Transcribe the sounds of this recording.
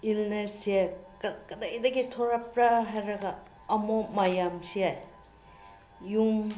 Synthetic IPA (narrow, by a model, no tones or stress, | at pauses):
ilnesiakkɐdajdɐɡitʰɔɾapɾaɦajɾɐɡaː | momajamsiaj | juŋ